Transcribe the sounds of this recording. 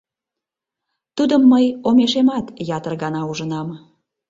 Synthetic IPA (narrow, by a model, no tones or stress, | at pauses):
t̪ud̪əmːəjomeʃemɑt̪jɑt̪ərɣɑnɑuʒənɑm